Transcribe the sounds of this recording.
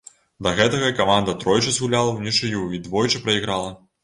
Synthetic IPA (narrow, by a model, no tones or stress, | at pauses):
d̪ɐɣɛt̪ɐɣɐikamand̪ɐt̪ɾɔjt͡ʂɐzɣulʲalˠɐwnʲit͡ʂɨjuid̪vɔjt͡ʂɨpɾɐiɣɾalˠɐ